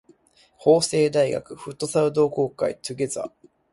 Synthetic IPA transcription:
ho̞ːse̞ːd̪aiɡa̰kɯ̟ɸɯ̟t̪ːo̞saɯ̟d̪o̞ːko̞ːkaḭt̪ɨɡʲe̞za̰

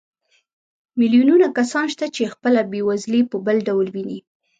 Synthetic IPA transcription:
milijununakasɑnʃt̪at͡ʃexpəlabewazlepəbəlɖawlwini

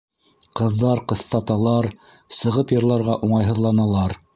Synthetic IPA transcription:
qɤ̆ðːɑɾqɤ̆θt̪ɑt̪ɑlˠɑɾ | sɤ̆ʁɤpjɤ̆ɾlˠɑɾʁɑʔuɴɑjɦɤ̆ðlˠɑnɑlˠɑɾ

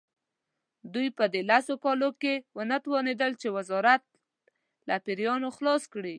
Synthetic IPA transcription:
d̪ujpəd̪elasokɑlokewənət̪wɑned̪əlt͡ʃewazɑɾat̪̚ | lapiɾjɑnoxlɑskɽi

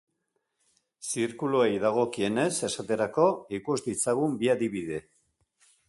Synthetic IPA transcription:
siɾkuluejðaɣ̞o̞kie̞ne̞se̞sat̪e̞ɾako̞ikuzd̪it͡saɣumbiaðiβiðe̞

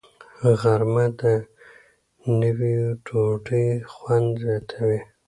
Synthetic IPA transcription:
ɣaɾmad̪ə | nəwiʈʰoʈixwand̪zjɑt̪ʰawi

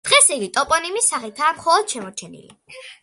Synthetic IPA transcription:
d̪̥ʁɛsiɡit̪ʼɔpʼɔnimisaχit̪ʰaːmχɔlˠɔd̪̥ʃɛmɔɾt͡ʃʰɛnḭlḭ

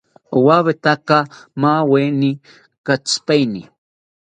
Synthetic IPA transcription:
waβet̪akamaweni | kat͡spajnḭ

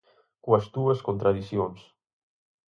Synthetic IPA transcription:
koɐst̪uɐskont̪ɾaðiθjons

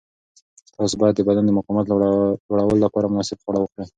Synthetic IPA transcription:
t̪ɑs̬bɑjad̪ːəbad̪and̪əmʊqɑmat̪lwaɽawəlolːapɑɾamʊnɑsɪbxwaɽawəkɽi

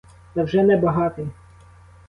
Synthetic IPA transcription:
t̪ɐwʒɛnɛbɐɦɑt̪ɪ

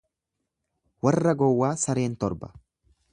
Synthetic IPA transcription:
wɐrːɐɡɔwːaːsɐɾe̞ːnt̪ɔɾbɐ̥̰

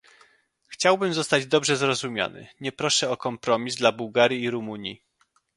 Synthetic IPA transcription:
xt͡ɕawbɘmzɔst̪ad͡ʑd̪ɔbʐɛzɾɔzumʲja̰nɘ̰ɲɛpɾɔʂɛɔkɔmpɾɔmʲizd̪labuwɡaɾʲjiːɾumuɲji

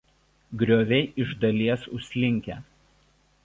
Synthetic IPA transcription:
ɡɾʲoːʋʲɛɪʔɪʒd̪ɐlʲiɛsʊ̰ʃsʲlʲɪŋʲkʲɛ

